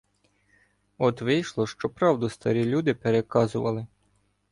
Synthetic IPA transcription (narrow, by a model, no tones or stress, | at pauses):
ɔt̪ʋɪjʃlˠɔʃt͡ʃɔpɾɑwd̪ʊst̪ɐɾʲilʲud̪ɪpeɾekɑzʊʋɐlˠɪ